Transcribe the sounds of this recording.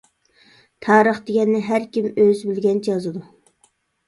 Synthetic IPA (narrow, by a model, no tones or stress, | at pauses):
t̪ʰɑːɾəχd̪eɡʲɛnːɪɦæɾkʲimøzbɪlɡʲɛnd͡ʒɑzɨd̪u